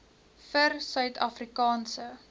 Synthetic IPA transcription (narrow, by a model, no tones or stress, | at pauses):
fərsœɥtʰɐfrikɑːnsə